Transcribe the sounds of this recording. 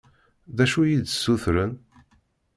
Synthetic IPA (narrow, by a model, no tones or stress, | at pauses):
ðæʃujid̪sːuθɾən